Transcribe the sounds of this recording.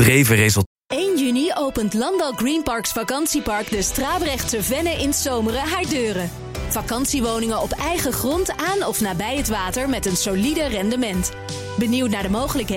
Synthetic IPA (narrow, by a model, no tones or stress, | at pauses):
rejvərejzəlˠ | ejnjyniowpəntlɑndɑlˠɡrinpɑɹksfakɑnsipɑɹkdəstraːbrɛχtsəvɛnəʔɪnsowmərəɦaːɹdøːrə | vɑkɑnsiʋownɪŋəɔpɛjχəχrɔntaːnɔfnaːbɛjɦətʋaːtəɹmɛtənsolidərɛndəmɛnt | bəniwt̬naːɹdəmowχələkɦ